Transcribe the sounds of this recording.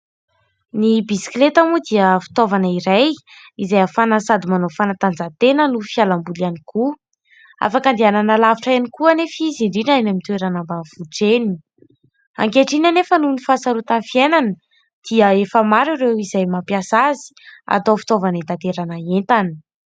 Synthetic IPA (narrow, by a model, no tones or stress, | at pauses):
nibisi̥klet̪amud̪iəfi̥t̪ovanaiɾaj | izajafanasad̪imanofanat̪and͡zat̪enənufialambulianiku | a̰fakand̪iananalaviʈ͡ʂaanikuanefiziɳɖ͡ʐinaenamit̪uweɾanambav̥uʈ͡ʂeni̥ | a̰ŋkeʈ͡ʂinanefənunifasaɾut̪anfienanə | d̪̥iəefəmaɾiɾewizajmapjasazi̥a̰t̪ofi̥t̪ovanit̪at̪eɾanaent̪ani̥